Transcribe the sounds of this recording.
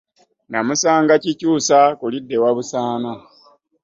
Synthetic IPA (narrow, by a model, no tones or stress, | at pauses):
namusaːŋɡacicuːsakulidːe̞waβusaːna